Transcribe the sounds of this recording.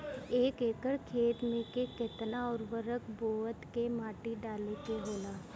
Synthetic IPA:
eːkeːkəɽkʰeːt̪mẽkeket̪naɔːɾʋəɾəkboːət̪kemaːʈiɖaːlekeɦoːlaː

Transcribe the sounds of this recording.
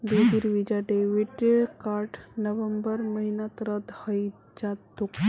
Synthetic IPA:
d̪ed̪iɾʋid͡ʑaɖeʋiʈkaɾʈnəʋəmbəɾməɦinat̪ɾəd̪həj | d͡ʑat̪o

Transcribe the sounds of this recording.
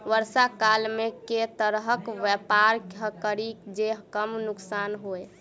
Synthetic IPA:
ʋəɾsakalmeket̪əɾɦəkʋɛpaɾkɦəkəɾikd͡ʒeɦkəmnuksanɦoj

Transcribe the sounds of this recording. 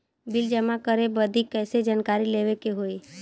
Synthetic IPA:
bɪld͡ʒəmakəɾebəd̪ʱikːɛːsed͡ʒankaɾileʋekeɦoi

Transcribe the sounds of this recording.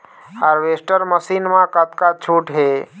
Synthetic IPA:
haɾʋesʈəɾməsinmãkət̪kat͡ʃʰuʈɦe

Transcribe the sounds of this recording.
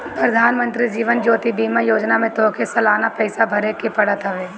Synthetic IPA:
pɾɐd̪ʱaːnmə̃nt̪ɾid͡ʒiːʋənd͡ʒoːt̪ibiːmajoːd͡ʒnamẽt̪oːkʰesɐlaːnapɛːɪsabʱɐɾekepɐɽat̪ʰaʋeː

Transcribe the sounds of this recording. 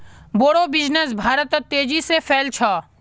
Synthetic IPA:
boːɽoːbɪd͡ʒnes̬bʱaːɾət̪ət̪ːeːd͡ʒiːseːfʰeːlt͡ʃʰaː

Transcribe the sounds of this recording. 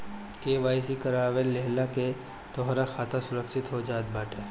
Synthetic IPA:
keːʋaːjsikɐɾaːʋelːeɦlake | t̪ɔːɦɾaxaːt̪ʰasʊɾəkʃɪt̪ɦod͡ʒaːt̪̚baːʈeː

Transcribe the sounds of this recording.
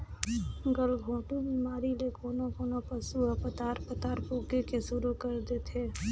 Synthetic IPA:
ɡəlbʱõːʈubiːmaːɾilekoːnokoːnopɐsuɐpət̪aːɾpət̪aːɾpoːkekeʃʊɾukɐɾd̪eːt̪ʰeː

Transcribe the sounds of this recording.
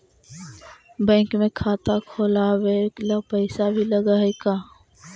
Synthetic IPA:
bɛ̃ːŋkmẽkʰaːt̪akʰoːlaweklapɛɪsabʱilɐɡaɦekaː

